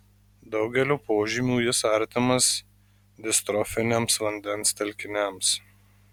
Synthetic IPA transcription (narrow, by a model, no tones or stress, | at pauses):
d̪ɒʊɡʲɛlʲoːpoːʒʲimʲuːjɪsɐɾʲt̪ʲɪmɐs | d̪ʲɪst̪ɾɔfʲɪnʲemsʋɐnʲd̪ʲɛnst̪ʲɛlʲkʲɪnʲæms